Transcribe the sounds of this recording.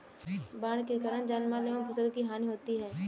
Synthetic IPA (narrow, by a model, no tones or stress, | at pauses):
baːɽkekaːɾəɳ̃d͡ʒaːnmaleõpʰɐsəlkiɦaːniɦoːt̪iɦɛː